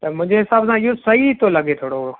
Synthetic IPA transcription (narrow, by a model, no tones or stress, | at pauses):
t̪ɐmʊ̃ɪ̃ɲd͡ʑeɦɪsaːbsãɪɦosɐɦit̪ʰolɐɠet̪ʰoːɽoɦʊo